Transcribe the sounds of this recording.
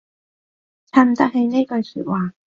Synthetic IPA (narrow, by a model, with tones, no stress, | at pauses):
t͡sʰa˧˥m̩˨t̪ɐ˥k̚he˧jne˥kɵ˧ɥsy̰ː˨t̚waː˨